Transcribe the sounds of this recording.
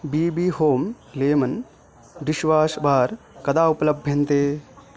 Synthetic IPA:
biːbiːhoːm | leːmɐn | ɾiʃʋaːsbʱaːɾ | kɐd̪aːupɐlɐbʱjɐnt̪eː

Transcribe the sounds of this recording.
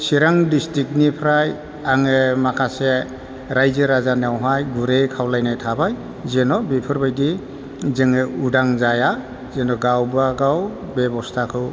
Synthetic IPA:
siɾaŋdistik̚nipʰɾaj | aŋɯmakʰase | ɾajzɯɾazaneawɦajɡuɾekʰawlajnajtʰabaj | zenɔbipʰɯɾbajdi | zɯŋɯudaŋzaja | zenɔɡawbaɡaw | bebɔstʰakʰɯw

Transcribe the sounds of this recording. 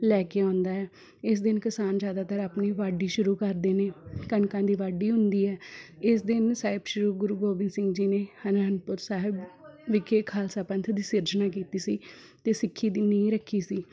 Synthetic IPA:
lɛːkeːãːnd̪aːɛː | ɪs̬d̪ɪnkɪsaːnd͡ʒjaːd̪aːt̪əɾaːpniːʋaːɖiːʃʊɾuːkəɾd̪eːneːkənkãːd̪iːʋaːɖiːɦʊ̃nd̪iːɛːɪsd̪ɪnsaːɪbʃʊɾuːɡʊɾuːɡoːbɪnsɪ̃ŋɡd͡ʒiːneːhənəənpʊɾsaːɦɪbʋɪkʰeːkʰaːlsaːpə̃nt̪ʰd̪iːsɪɾd͡ʒnaːkiːt̪iːsiː | t̪eːsɪkʰːiːd̪iːnəĩɾəkʰːiːsiː

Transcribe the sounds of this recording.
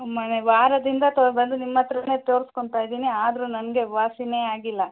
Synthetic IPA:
mɐneʋaːɾɐd̪ind̪ɐt̪obɐnd̪unimːɐt̪ːɾɐne̞ːt̪oːɾisko̞ɳɖt̪aːjid̪iːniaːd̪ɐɾunɐnɡe̞ʋaːsine̞ːaːɡilːɐ

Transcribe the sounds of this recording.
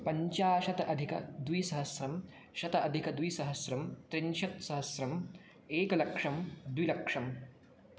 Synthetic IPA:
pɐɲt͡ʃaːʃɐt̪ɐʔɐd̪ʱikɐ̰d̪ʋisɐɦɐsɾɐm | ʃɐt̪ɐɐd̪ʱikɐd̪ʋisɐɦɐsɾɐmt̪ɾiɲʃɐt̪sɐɦɐsɾɐm | eːkɐlɐkʂɐmd̪ʋilɐkʂɐm

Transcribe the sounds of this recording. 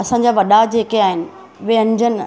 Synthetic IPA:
ɐsãːɲd͡ʑaʋɐɗad͡ʑeːkeaːɦɪnɪ̆ | ʋeɐ̃ɲd͡ʑənɪ

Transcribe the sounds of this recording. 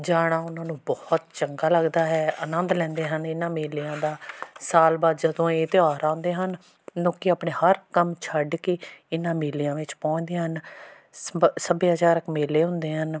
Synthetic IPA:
d͡ʒaːɽaːʊnãːnũːbɔːt̪t͡ʃəŋɡaːləɡd̪aːɦɛːənənd̪lɛ̃ːnd̪eːɦənɪnãːmeːlijãːd̪aːsaːlbaːd̪d͡ʒəd̪õːeːt̪eːaːɾãːnd̪eːɦən | nõːkɪaːpɳeːhəɾkəmt͡ʃʰəɖkeːɪnãːmeːlijãːʋɪt͡ʃpɔ̃ːt͡ʃd̪eːɦən | səbeːɦət͡ʃaːɾəkmeːleːɦʊ̃nd̪eːɦən

